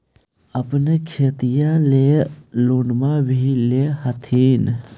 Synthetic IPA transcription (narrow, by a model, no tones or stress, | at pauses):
ɐpnekʰeːt̪ijãleloːnmaʋilehɐt̪ʰiːn